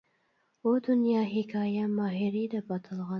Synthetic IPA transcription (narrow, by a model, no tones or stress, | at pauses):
od̪ʊnjɑɦɪkɑjamɑɦɪɾid̪əbɑt̪ʰəlɣɑ